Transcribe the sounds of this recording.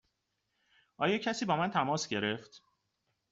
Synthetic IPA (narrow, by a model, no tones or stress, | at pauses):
ʔɒːjɒːcʰæsiːbɒːmænt̪ʰæmɒːsɟe̞ɾe̞ft̪